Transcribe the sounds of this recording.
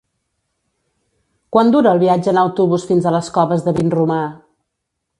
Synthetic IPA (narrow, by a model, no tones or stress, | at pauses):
kwand̪uɾəːlˠβiad͡ʒəːnəwt̪uβusfinzələskɔβəzðəβinruma